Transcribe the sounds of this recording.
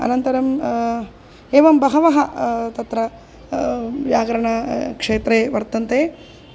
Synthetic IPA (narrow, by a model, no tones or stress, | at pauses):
ɐ̰nɐnt̪ɐɾɐm | eːʋɐmbɐɦɐʋɐɦɐt̪ɐt̪ɾɐ | jaːɡɐɾɐɳɐkʂeːt̪ɾeːʋɐɾt̪ɐnt̪eː